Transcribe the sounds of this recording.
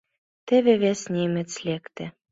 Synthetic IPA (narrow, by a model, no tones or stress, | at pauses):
t̪ĕβĕβesnʲemɘ̆t͡slʲekt̪ɘ̆